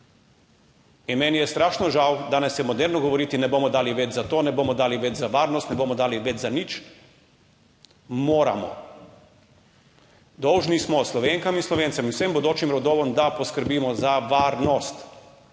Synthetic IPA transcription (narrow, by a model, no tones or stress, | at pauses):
inmɛnijɛst̪ɾaːʃnɔʒawd̪aːnɛsjɛmɔd̪ɛɾnɔɡɔʋɔɾiːt̪inɛboːmɔd̪aːliʋed͡ʒzat̪oːnɛboːmɔd̪aːliʋɛd͡ʒzaʋaːɾnɔst̪nɛboːmɔd̪aːliʋɛd͡ʒzanit͡ʃ | moːɾa̰mɔ̰ | d̪ɔwʒnismɔslɔʋeŋkaminslɔʋeːnt̪sɛminwsembɔd̪oːt͡ʃimɾɔd̪oːʋɔmd̪apɔskəɾbiːmɔzaʋaːɾnɔst̪